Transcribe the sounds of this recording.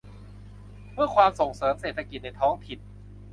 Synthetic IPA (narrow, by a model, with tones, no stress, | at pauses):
mɯ˥˩ɐkʰwaː˧mso˨˩ŋsɤː˩˦mseː˨˩t̪ʰa˧ki˨˩t̪̚na˧jt̪ʰɔː˦˥ŋt̪ʰi˨˩n̚